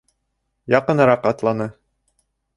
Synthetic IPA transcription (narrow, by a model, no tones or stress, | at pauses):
jɑqɤ̆nɤɾɑqɑt̪lˠɑnɤ